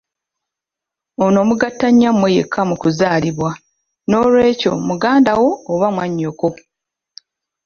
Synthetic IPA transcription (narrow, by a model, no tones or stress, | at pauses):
ono̞ːmuɡatːaɲːamwejekʰːamukuzaːliβwa | no̞ːlwe̞ːco̞muɡaːndawo̞ːβamwaɲːoko̞